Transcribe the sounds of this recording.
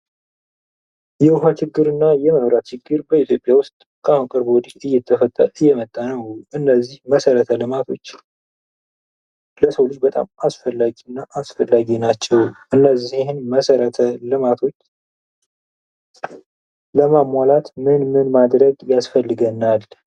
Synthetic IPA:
jɛwʊɦat͡ʃɪɡːɨɾɨnːajɛməɾat͡ʃɪɡːɨɾbəit̪ʰjo̞pʼjawʊst̪ʼkʰahunkʼɨɾbowd̪iɨjːɛt̪ʰːəfət̪ʼːəɾɨjːɛmət̪ʼːanəwʔɨnːəzːihməsəɾət̪ʰəlɨmat̪ʰo̞t͡ʃː | ləsəwlɨd͡ʒbət̪ʼa̰masfəlːaɡiɨnːaʔasfəlːaɡinat͡ʃːɛwʔɨnːəzihɪnməsəɾət̪ʰəlɨmat̪ʰo̞t͡ʃː | ləmamʷːalat̪mɨnmɨnmad̪ɾəɡjasfəlːɨɡənːal

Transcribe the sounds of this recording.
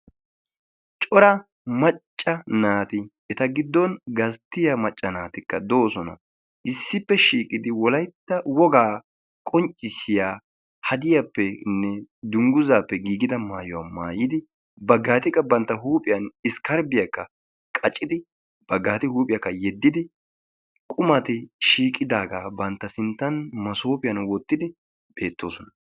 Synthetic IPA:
t͡ʃʼɔɾɐ | mɐt͡ʃʼːɐnaːt̪ɪ | ɛt̪ɐɡɪd̪ːɔnɡɐst̪ːɪjamɐt͡ʃʼːɐnaːt̪ɪkːɐ̰d̪oːsɔnɐ̰ | ʔɪsːɪpːɛʃiːkʼɪd̪ɪwɔlɐjt̪ːɐwɔɡaː | kʼɔnt͡ʃʼːɪsɪjaː | hɐd̪ɪjapːɛnːɛd̪ʊŋɡʊzaːpːɛɡiːɡɪd̪ɐmaːjɔwɐmaːjɪd̪ɪ | bɐɡaːt̪ɪkːɐbɐnt̪ːɐɦuːpʼɪjɐnɪskɐɾbɪjakːɐ | kʼɐt͡ʃʼːɪd̪ɪ | b̥ɐɡːaːt̪ɪhuːpʼɪjakːɐjɛd̪ːɪd̪ɪ | kʼʊmɐt̪ɪʃiːkʼɪd̪aːɡaːbɐnt̪ːɐsɪnt̪ːɐnmɐsoːpʼɪjɐnwɔt̪ːɪd̪ɪ | be̞ːt̪ːo̞ːsɔnɐ

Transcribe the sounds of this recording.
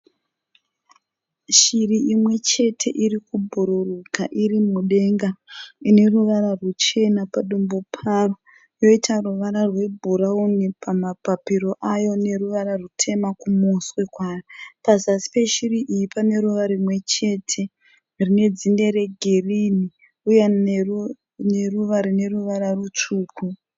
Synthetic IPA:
ʃiriimwe̞t͡ʃe̞tʰe̞ʔirikubʱuɾurukaʔirimuɗe̞ŋɡaine̞ruʋaɾarut͡ʃe̞napaɗumbopʰaro | jo̞itʰaruʋaɾarwe̞bʱuɾaunipʰamapapiɾo̞ʔajo̞ne̞ɾuʋaɾarutʰe̞makumuswe̞kwaːjapazasi̥pe̞ʃiriʔijipane̞ɾuʋaɾimwe̞t͡ʃe̞tʰe̞ | rine̞d͡zinde̞ɾe̞ɡʱerini | uje | ne̞ruʋaɾine̞ruʋaɾarut͡ʂuːku

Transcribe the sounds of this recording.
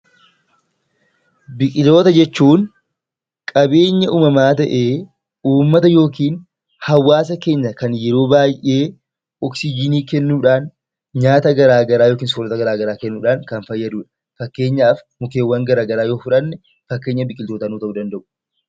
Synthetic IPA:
bɪkʼɪlt̪o̞ːt̪ɐd͡ʒɛt͡ʃːuːn | kʼɐbe̞ːɲːɐʔuːmɐmaːt̪ɐʔe̞ː | uːmːɐt̪ɐjo̞ːkiːn | hɐwːaːs̬ɐke̞ːɲːɐkɐnjɛɾo̞ːbaːjʔe̞ː | ɔksɪd͡ʒɪniːkɛnːuːᶑaːn | ɲaːt̪ɐɡɐɾaːɡɐɾaːjo̞ːkiːnslɔt̪ɐɡɐɾaːɡɐɾaːkɛnːuːᶑaːnkɐnfɐjːɐd̪uːᶑɐ̥ | fɐkːe̞ːɲːaːfmʊkeːwːɐŋɡɐɾaːɡɐɾaːjo̞ːfʊᶑɐnːɛ | fɐkːeːɲːɐbɪkʼɪlt̪oːt̪ɐnuːt̪ɐʔuːd̪ɐnd̪ɐʔʊ̥

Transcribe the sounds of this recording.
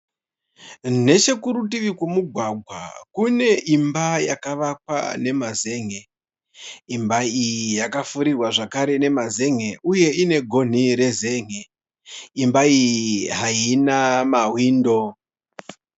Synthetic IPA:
ne̞t͡ʃe̞kuɾut̬iʋikwemuɡʱwaɡʱwa̰kune̞ʔimbajakaʋak̚wa̰ne̞maze̞ŋe | imbaijijakafuɾirwaʐakaɾe̞ne̞maze̞ŋe̞uje̞ine̞ɡʱo̞n̤iɾe̞ze̞ːŋe | imbaijiɦainamawiːndo̞

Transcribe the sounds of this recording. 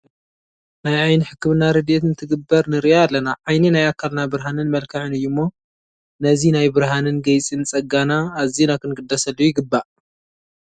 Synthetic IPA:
najʕajnħɨkːmɨnaɾɨd̪et̪nɨt̪ʰɨɡɨbːɐɾnɨɾiʔaalːɐnaʕajnɐnajakʰːalnabɨɾɦanɨnmɐlkʰaʕɨnɨjːumːo | nɐzinajbɨɾɦanɨnɡɐjt͡sʼinɨt͡sʼɐɡanaːzinakʰɨnɡɨd̪ːɐsɐlːuujɪɡɨbːaʔ

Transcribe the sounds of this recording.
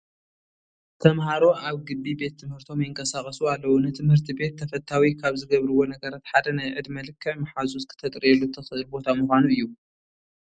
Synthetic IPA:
t̪ʰɐmɦaɾo̞ʔaβɡɨbːibe̞t̪ʰːɨmhɨɾt̪ʰo̞mjɪɨŋkʰɐsakʼɐsualːɐwunɨt̪ʰɨmhɨɾt̪ʰibe̞t̪ʰːɐfɐt̪ʰːawikʰaβzɨɡɐβɾɨwo̞nɐɡɐɾat̪ħad̪ɐnajʕɨd̪mɐlɨkʰːɐmaħazuskʰɨ̥t̪ʰɐt̪ʼɾɛlːut̪ʰɐxɨʔɨlbo̞t̪ʰamɨxʷanuɨjːu

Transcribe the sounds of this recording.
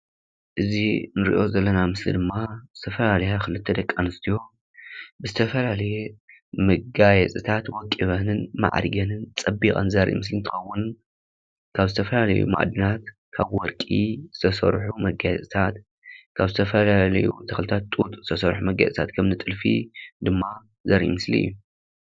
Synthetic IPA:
ʔɨzinɨɾḭʔo̞zɐlːɐnamɨslḭd̪ɨmːazɨt̪ʰɐfɐlalɐjaxɨlɨt̪ʰːɐd̪ɐkʼːanɨst̪ʰijo̞ | bɨzɨt̪ʰɐfɐlalɐje | mɐɡajɛt͡sʼɨt̪ʰat̪wɔkʼːiβɐnɨnma̰ʕ̰ɾɡɐnɨnt͡sʼɐbikʼa̰nzaɾʔḭmɨs̬lint̪ʰɨ̥xɐwːʊn | kʰaβzɨt̪ʰɐfɐlalɐ̰jṵma̰ʔd̪ɨnat̪ | kʰaβwɔɾkʼizɨt̪ʰɐsɐ̰ɾħumɐɡajɛt͡sʼɨt̪ʰat̪ | kʰaβzɨt̪ʰɐfɐlalɐjut̪ʰɐxlɨt̪ʰat̪ːʼut̪ʼuzɨ̥t̪ʰɐsɐɾħumɐɡa̰jt͡sʼɨt̪ʰat̪kʰɐmnɨt̪ʼɨlfḭd̪ɨmːa | zɐɾʔḭmɨslḭɨ̰jːu

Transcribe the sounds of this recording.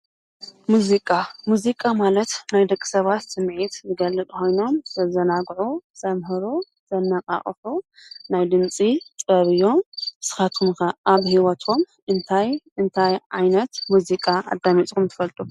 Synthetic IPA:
muzikʼamuzikʼamalɐt̪najd̪ɐkʼːi̥sɐβat̪sɨmʕit̪zɨɡɐlːɨt̪ʼko̞jno̞mzɐzɐnaɡʕusɐmɦɨɾu | z̥ɐnːɐqʼa̰χʼfunajd̪ɨnt͡sʼit̪ʼɐβɨjo̞mɨsɨ̥xat̪ʰumkɐʔaβhiwɐt̪ʰom | ʔɨnt̪ʰajɨnt̪ʰajʕa̰jnɐt̪muzikʼaʔa̰d̪ːamit͡sʼkumt̪ʰɨ̥fɐlt̪ʼu

